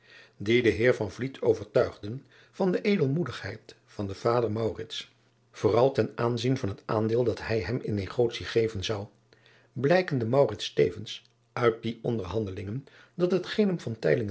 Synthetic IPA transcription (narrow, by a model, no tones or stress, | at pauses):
didəɦɪːɹvɑnvlitʰowvəɹtœɥχdən | v̥ɑndəʔejdəlˠmudəχhɛjt | fɑndəv̥aːdəɹmɑwrɪts | v̥ʊːrɑlˠtɛnʔaːnzinvɑnɦəta̰ːndɪːlˠdɑtɦɛjɦɛmɪnːeχoːtsiχejvənzɑw | blɛjkəndəmɑwrɪtstḛjvəns | œɥt̚diʔɔndəɹɦɑndəlɪŋən | dɑtɦətχenəmvɑntɛ̰jlɪŋ